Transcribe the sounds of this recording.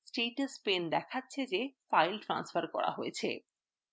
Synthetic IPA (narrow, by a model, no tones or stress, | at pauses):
sʈeʈspend̪ɛkʰatːɕʰed͡ʑefajlʈɾa̰nsfaɾkɔ̰ɽa̰ɦojet͡ɕʰḛ